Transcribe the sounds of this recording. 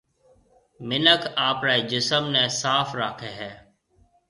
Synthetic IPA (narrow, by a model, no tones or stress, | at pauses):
mɪnəkʰaːpɾaːiːd͡ʒɪsəmnɛ̃ːsaːfɾaːkʰeːɦɛː